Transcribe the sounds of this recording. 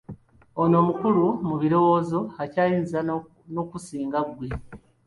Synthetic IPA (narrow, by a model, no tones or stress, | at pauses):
ono̞ːmukulumuβiɾo̞wo̞ːzo̞acaːjiːniza | no̞kusiːŋɡaɡwe̞